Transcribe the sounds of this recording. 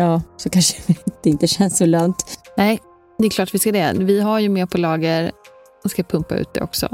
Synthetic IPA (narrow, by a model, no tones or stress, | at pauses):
jɑːsɔkʰanʂəvɪt̪ɪnt̪əɕɛnsɔlɔŋt̪nɛː | d̪ɛjkʰlɑːʈvɪskad̪ɛvɪɦaɾjɵmeːɾpʰɔlɑːɡəɾ | ɔskapʰɵmpa̰ʉ̟̰ːt̪̚d̪ɛ̰ɔ̰ksɔ̰